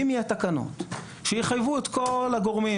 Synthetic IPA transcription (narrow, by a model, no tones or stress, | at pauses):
imiat̪akano̰t̪ | ʃejiχajvuet̪kolaɡoʁmi